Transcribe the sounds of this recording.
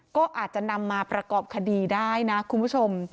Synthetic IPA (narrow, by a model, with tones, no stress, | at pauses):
kɔː˥˩ʔaː˨˩t̪̚t͡ɕa˨˩na˧mːaː˧pɾa˧kɔː˨˩p̚kʰa˧diː˧daː˥˩jna˦˥kʰu˧npʰu˥˩t͡ɕʰo˧m